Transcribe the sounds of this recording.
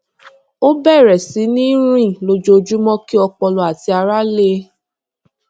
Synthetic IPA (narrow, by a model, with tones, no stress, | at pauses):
o˦bɛ˦˨ɾɛ˨si˨˦nĩ˦ɾ̃ĩ˦˨lo˧d͡ʒo˧d͡ʒu˦mɔ̃˦ki˦ɔ˧k͡pɔ˧lɔ˨a˨ti˧a˧ɾa˦le˦